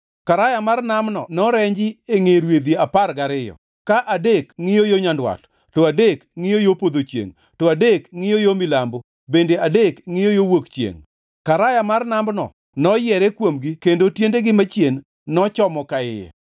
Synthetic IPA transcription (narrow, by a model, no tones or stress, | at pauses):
kaɾajamarnamnɔ̰nɔɾɛɲd͡ʒɪeŋeɾwed̪jiaparɡaɾɪjɔ̰ | kaʔadekŋɪjojoɲandwa̰t | tɔadekŋɪjojopod̪ot͡ʃjḛŋ | tɔadekŋɪjɔjomɪlambo | bendeadekŋɪjojowokt͡ʃjḛŋ | kaɾajamarnambnɔ̰ | nɔjɛɾɛkwomɡikendotjendeɡɪmat͡ʃjenː | ɔt͡ʃɔmɔkaɪjɛ̰